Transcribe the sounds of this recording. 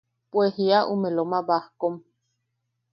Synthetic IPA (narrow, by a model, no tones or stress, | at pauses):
pwehiaʔumelomaβahkom